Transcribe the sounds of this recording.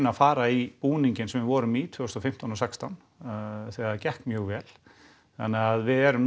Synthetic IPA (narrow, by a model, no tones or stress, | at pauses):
nafaːɾaipuːniɲcɪnsɛmvɪvɔːɾʏmit̪ʰvœːʏst̪ɔfɪm̥t̪anɔsɛkst̪awn | θɛːacɛhkmjœːɣvɛːl | θa̰nːɛɣaaðvɪðɛɾʏm